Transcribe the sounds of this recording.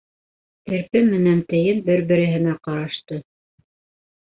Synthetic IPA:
ɘ̆ɾpɘmːɘ̆nænt̪ɘ̆jɘnbɘɾbɘ̆ɾɘ̆ɦɘ̆næqɑɾɑʃt̪ɤ

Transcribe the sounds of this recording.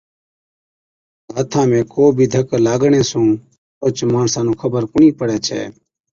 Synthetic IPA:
ɦaːt̪ʰãːmẽːkoːbʱiːd̪ʱəklaːɡɳẽːsũː | oːt͡ʃmaːɳsãːnũːkʰəbəɾkʊɳiːpəɽɛːt͡ʃʰɛ̰ː

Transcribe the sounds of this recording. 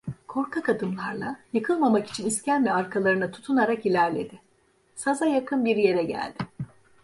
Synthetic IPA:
kʰo̞ɾkʰakad̪ɯmlˠaɾlˠajɯkʰɯlˠmamaki̥t͡ʃʰiniscænvɛaɾkʰalˠaɾɯnɯt̪ʰu̥t̪ʰunaɾakilʲæɾlʲe̞̰d̪ɪ | sazajakʰɯnbiɾje̞ɾɛɟæ̰lʲd̪̥ɪ

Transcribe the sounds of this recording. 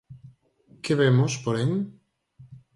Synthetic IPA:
keβemospoɾen

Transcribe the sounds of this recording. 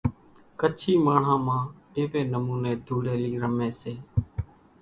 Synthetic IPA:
kət͡ʃʰiːmaːɳ̤ãːmãː | eːʋeːnəmuːneːd̪ʱuːɽeːliːɾəmeːseː

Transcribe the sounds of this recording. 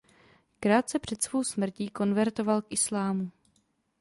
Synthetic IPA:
kɾaːt̪sɛpr̝̥ɛt̪sv̥o̞wsmr̩ciːko̞nvɛɾt̪o̞valkʔɪslaːmu

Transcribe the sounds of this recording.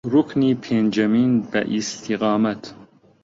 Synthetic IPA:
ɾukniːpʰeːnd͡ʒɐmiːnbɛ̰ʔist̪ʰiɣɑːmat̪ʰ

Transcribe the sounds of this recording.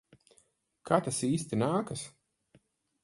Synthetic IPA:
kʰat̪asiːst̪inaːkas

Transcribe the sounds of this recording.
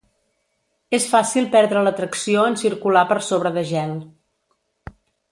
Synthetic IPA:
esfasilˠpɛɾðɾələt̪ɾəksioənsiɾkulapəɾsoβɾəðəʒɛlˠ

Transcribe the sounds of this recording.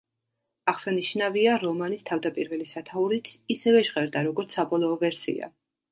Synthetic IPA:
aχsaniʃnaviaɾɔmanist̪ʰavd̪apʼiɾvɛlisat̪ʰauɾit̪ʰisɛvɛʒʁɛɾd̪aɾɔɡɔɾt̪sʰabɔlˠɔːvɛɾsḭa̰

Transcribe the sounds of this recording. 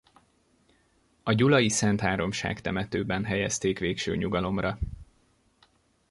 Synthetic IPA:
ɒɟulɒjisɛnt̪haːɾo̞mʃa̰ːkt̪ɛmɛt̪øːbɛnɦɛjɛst̪eːkʋeːkʃø̰ːɲuɡɒlo̞mrɒ

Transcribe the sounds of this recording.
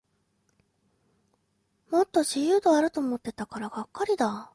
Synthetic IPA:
mo̞t̪ːo̞ʑijɯ̟ːd̪o̞aɾɯ̟t̪o̞ːmo̞t̪ːe̞t̪akaɾaɡakːaɾʲid̪a

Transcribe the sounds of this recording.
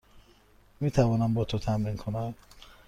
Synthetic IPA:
miːt̪ʰævɒːnæmbɔt̪ʰot̪ʰæmɾiːŋkʰonæm

